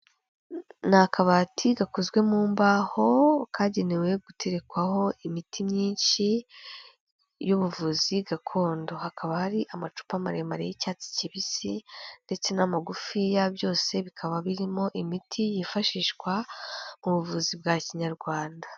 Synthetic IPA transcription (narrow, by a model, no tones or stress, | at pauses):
nakʰaβatʰiɡakozɡwe̞muːmbaho̞kaːɟe̞newe̞ɡutʰe̞ɾe̞kwaho̞imitʰimɲiːnʃi | juβuvuziɡakʰo̞ːndo̞hakʰaβahaɾiʔamat͡ʃu̥pamaɾemaɾejicaːt͡si̥ciβisinde̞t͡se̞namaɡufijabjo̞ːse̞βikʰaβaβiɾimo̞ʔimitʰijifaʃiːʃkwamuβuvuzib̚ɡaciɲaɾɡwaːnda